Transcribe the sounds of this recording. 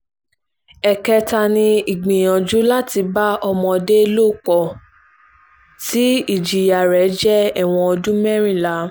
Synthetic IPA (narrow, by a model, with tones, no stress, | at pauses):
ɛ˨kɛ˧ta˧nĩ˧i˨ɡ͡bĩ˨j̃ɔ̃˨d͡ʒu˦la˦ti˧ba˦ɔ˧mɔ̃˧de˦˧lo˦˨kɔ˨ | ti˦i˦˨d͡ʒi˨ja˨ɾɛ˨˦d͡ʒɛ˦ɛ˦˨w̃ɔ̃˧ɔ˧d͡ʒũ˦mɛ˦ɾ̃ĩ˦˨la˨˦